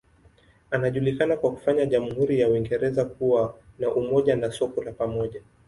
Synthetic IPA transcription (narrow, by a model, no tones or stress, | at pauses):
anaʄulikanakwaku̥faɲaʄam̩huɾijawiŋɡɛɾɛzakuwanaʔumɔʄanasɔkɔlapamɔʄa